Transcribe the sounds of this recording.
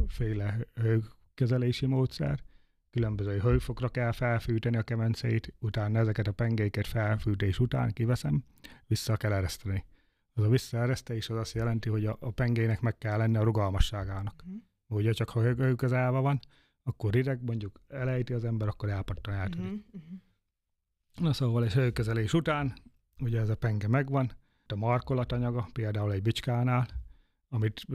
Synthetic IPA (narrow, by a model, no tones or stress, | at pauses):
feːlɛhøj | kːɛzɛleːʃimoːt̪sɛ̰r | kylømbøzøːɦøɥfo̞ɡrɒkɛlfɛlfyːt̪ɛniɒkɛmɛnt̪sɛ̰it̪ut̪aːnɒɛzɛkɛt̪ɒpɛŋɡejkɛt̪fɛlfyːt̪eːʃut̪a̰ːŋkivɛsɛm | ʋisːɒkɛlɛɾɛst̪ɛni | ɒzɒvisːɒɛɾɛst̪eːʃɛzɒst̪jɛlɛnt̪iɦo̞ɟɒːpɛŋɡeːjnɛkmɛkːɛlːɛnːiɒɾuɡɒlmɒʃːaːɡaːnɒk | ɛuɟɛt͡ʃɒkhɒøːkøzɛːvɛvɒn | ɒkːorɾiɾɛɡmo̞ɲɟukɛlɛjt̪iɒzɛmbɛɾɒkːo̞ɾɛlpɒt̪ːɒnɛlt̪øɾik | nɒsoːʋɒleːʃzøːkøzɛleːʃut̪aːn | uɟɛːzɒpɛŋɡɛmɛɡʋɒn | t̪ːɒmɒrko̞lɒt̪ɒɲɒɡɒpeːld̪aːulɛɟbit͡ʃkaːnaːl | ɒmit̪